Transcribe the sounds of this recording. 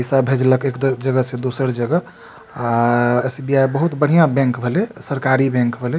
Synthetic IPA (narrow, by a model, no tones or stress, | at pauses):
əsabʱed͡ʒləkekd̪d͡ʒəɡəsed̪osəɾd͡ʒəɡə | aesbiajbəɦut̪bəɽ̤ijãbɛ̃ŋkbʱelesəɾkaɾibɛ̃ŋkbʱele